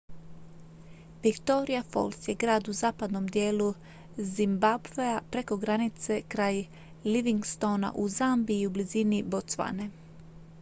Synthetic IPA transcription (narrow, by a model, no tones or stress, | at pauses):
ʋikt̪o̞ɾiafo̞̰lˠsje̞ɡɾaːd̪uzaːpad̪nomd̪je̞ːlu | zimbabveapɾe̞ko̞ɡɾanit̪se̞kɾaːj | liʋiŋɡst̪o̞na̰ʔuzambiːubliziːnibot̪sʋa̰ne